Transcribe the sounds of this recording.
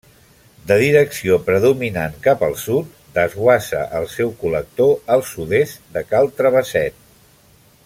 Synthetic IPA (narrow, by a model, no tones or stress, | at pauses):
d̪əðiɾəksiopɾəðuminaŋkapəlˠsut̪ | d̪əzɣwasə̰ʔəlˠsɛwkulək̚t̪oəlˠsuðest̪d̪əkalˠt̪ɾəβəsɛt̪̚